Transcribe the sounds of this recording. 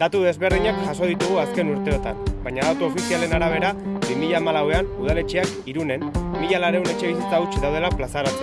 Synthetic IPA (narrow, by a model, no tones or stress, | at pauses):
d̪̥at̪uðe̞zβe̞ɾðiɲakʝaso̞ð̞it̪uɣuaske̞nuɾt̪e̞o̞t̪ambajɲaðat̪uofisiale̞naɾaβ̞e̞ɾabimiʎaːmalawe̞anuð̞ale̞t͡ʃiak | iɾune̞nmiʎalaɾe̞une̞t͡ʃe̞β̞is̬it͡saut͡ʃiðawð̞e̞laplasaɾo